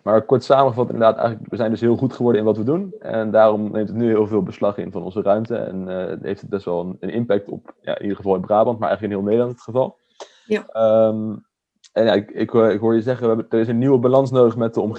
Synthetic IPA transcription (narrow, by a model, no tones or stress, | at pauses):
maːɹkɔɹtsaːməəvɑtɪ̰ndədaːtɛ̰jχələkʋəzɛjndɵsɦɪːlˠχutχəʋɔɹdəɪnʋɑtʋədunʔɛ̰ndaːrɔmnʔejmtətnyɦɪːlˠvɪːlˠbəslɑχɪ̰nvɑnɔ̰nzərœɥmtəɛ̰nɦḛjftət̚bɛstʋɛlˠənənʔɪmpɛk̚tɔ̰pja̰ːɪ̰nʔidəχəvɑlˠɪnbraːbɑnt̚maɹʔɛ̰χələkənɦɪːlˠmejdɑntχəvɑlˠ | m | ɛnjaɪkɪkɪkɦʊːɹjəzɛχəədəɹɪs̬ənːiwəbalɑnsnowdəχmɛt̚dəɔm